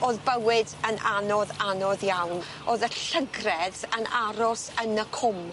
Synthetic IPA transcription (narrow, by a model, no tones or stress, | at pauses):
oːðbəwɪdənʔanɔðanɔðjawn | oðəɬəɡrɛðənaɾɔsənəkʰʊm